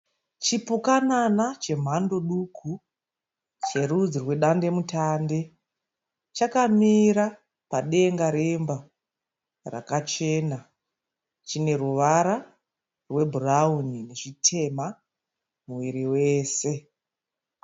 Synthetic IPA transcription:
t͡ʃipukananat͡ʃe̞m̤ando̞ɗukʰu | t͡ʃe̞rud͡zirwe̞ɗande̞mutande̞ | t͡ʃakamiɾa | paɗe̞ŋɡaɾemba | ra̰kat͡ʃe̞na | t͡ʃine̞ruʋaɾa | rwe̞bʱuraunine̞ʐitʰe̞ma | muwiɾiwe̞ːse̞

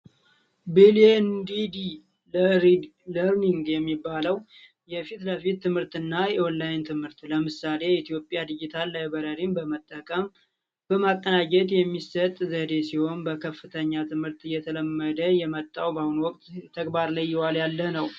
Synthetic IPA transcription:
bilend̪id̪i | ləɾləɾniŋɡjɛmːibːaləw | jɛfit̪ləfit̪ʰːɨmhɨɾt̪ɨnːajɛonlajnt̪ʰɨmhɨɾt̪ləmɨsale̞it̪ʰijo̞pʼːjad̪ɨd͡ʒɪt̪ʰalːajbəɾəɾimbəmət̪ʼːəkʼəm | b̥əmakʼːənad͡ʒɛt̪jɛmːisət̪ʼzəd̪e̞siho̞nbəkʰəfːɨt̪ʰəɲːat̪ʰɨmhɨɾt̪ɨjːɛt̪ʰələmːəd̪əjɛmət̪ʼːawbahunwɔkʼt̪ʰːəɡbaɾləjːɪwaljalːənəw

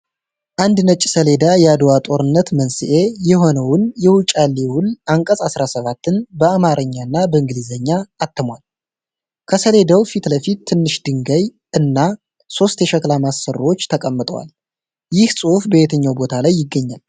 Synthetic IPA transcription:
ʔand̪nət͡ʃʼsəle̞d̪ajɛad̪wat̪ʼo̞ɾɨnːət̪mənsiʔe̞jɛɦo̞nəwʊnjɛwut͡ʃʼalːiwʊlaŋkʼəsʼasɾasəβat̪ːɨnbəamaɾʔəɲːanːabəɨŋɡɨlizəɲːaːt̪ʰːəmwal | kʰəsəle̞d̪əwfit̪ləfit̪ʰːɨnːɨʃd̪ɨŋɡəj | ʔɨnːa | so̞st̪jɛʃəklamasːəɾwo̞t͡ʃːt̪ʰəkʼəmːɨt̪ʼəwa̰l | jɪhsʼuufbəjet̪ʰəɲːawbo̞t̪ʰalajːɪɡːəɲːa̰l

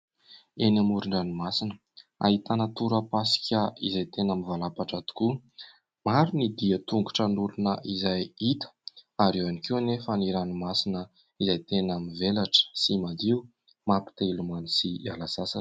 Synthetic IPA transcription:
enamuɾunənimasinə | a̰it̪anat̪uɾəpasi̥kʲəizajt̪enamivalapaʈ͡ʂat̪u̥ku | maɾunid̪iət̪uŋɡuʈ͡ʂənulunəʔizajit̪ə̥aɾewanikiwanefaniɾanimasinə | izajt̪enamivelaʈ͡ʂə̥simad̪iu | mapi̥t̪eilumanisialasasa

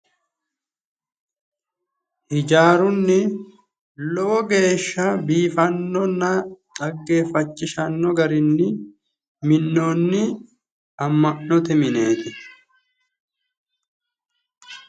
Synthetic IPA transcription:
hɪd͡ʒaːɾʊnːɪ | lɔwɔɡe̞ːʃːɐbiːfɐnːɔnːɐtʼɐɡːe̞ːfɐt͡ʃːɪʃɐnːɔɡɐɾɪnːɪ | mɪnːoːnːɪ | ɐmːɐʔːɔt̪ɛmɪne̞ːt̪ɪ

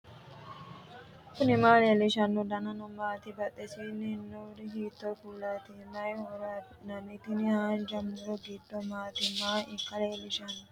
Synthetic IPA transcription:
kunimaːleliʃanːudananɔmaːt̪ibɐɗɛsininːɔɾiɦiːt̪ːɔkulːat̪imajhɔɾa | namit̪inihad͡ʒamːuɾɔɡidːɔmaːt̪imaːʔikːaleliʃanːu

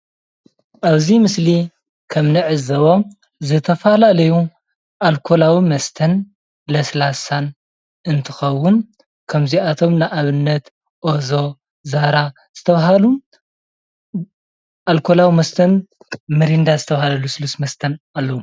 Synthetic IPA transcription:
ʔaβzimɨsli | kʰɐmnɨʕɨzɐβo̞ | zɨt̪ʰɐfalalɐju | ʔalkʰo̞lawimɐst̪ʰɐn | lɐslasan | ɨnt̪ʰɨxɐwːʊn | kʰɐmziat̪ʰo̞mnɨʔaβɨnːɐt̪ | ʔozo̞ | zaɾa | z̥ɨt̪ʰɐβɦalu | ʔalkʰolawimɐst̪ʰɐn | mɐɾind̪azɨt̪ʰɐβahalɐlusɨlusmɐst̪ʰɐnalːɐwu

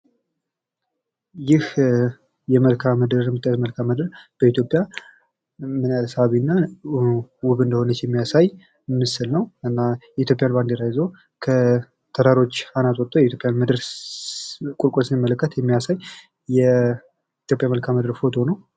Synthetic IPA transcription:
jɪh | jɛməlkʰaməd̪ɨɾmːɨt̪ʼːəjt̪məlkʰaməd̪ɨɾb̥əit̪ʰjo̞pʼja | mɨnaləsəaβinːa | wʊβɨnd̪əho̞nət͡ʃːjɛmːijasaj | mɨsɨlnəwɨnːajɛit̪jo̞pʼːjanband̪iɾajzo | kʰə | t̪ʰəɾaɾo̞t͡ʃːanat̪ʼɔt̪ʼːojɛit̪ʰjopʼjanmɨd̪ɨɾ | kʼulkʼulsɨnimːələkːət̪jɛmːijasajː | ɛ | it̪ʰjo̞pʼjaməlkʰaməd̪ɨɾfo̞t̪ʰo̞nəw

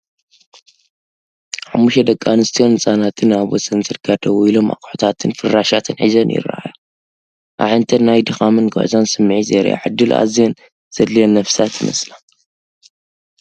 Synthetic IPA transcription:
ħamːuʃɐd̪ɐkʼːanɨst̪ʰijonɨt͡sʼanat̪ʰɨnaβɔsɐnzɨɾɡad̪ɐwilo̞mʔa̰kʼħot̪ʰat̪ʰɨnfɨrːaʃat̪ʰɨnʕizɐnjɪ̰rɐ̰ʔa̰jo | ʔa̰ʕɨnt̪ʰɐnajd̪ɨxamɨnɡɨ̰ʕzansɨmːɨʕizɐ̰ɾḭʔa̰ʕɨ̰d̪ːɨlʔa̰zijen | z̥ɐd̪lienːɐfsat̪jɨmɐ̰slan

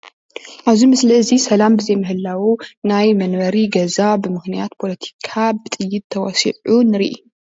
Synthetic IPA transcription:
ʔaβzimɨslɐɨzisɐlambɨzɐjmɨhɨlːawunajmɐnwɐɾiɡɐzabɨmɨxnijat̪pʰo̞lɐt̪ʰi̥kʰabɨt̪ʼɨjːɪt̪̚t̪ʰɐwɔsḭʕunɨɾḭʔḭ

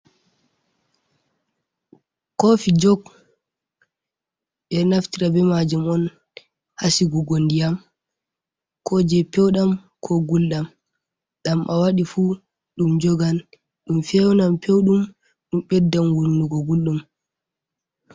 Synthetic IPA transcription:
kofid͡ʒɔɡ | ɓɛnaftiɾabɛmad͡ʒumɔn | hasiɡuɡondijam | kʰɔd͡ʒɛpɛwɗam | kʰɔɡulɗam | ɗamʔawaɗifu | ɗumd͡ʒɔɡan | ɗumfɛwnampewɗum | ɗumɓɛdːamwunuɡɔɡulɗum

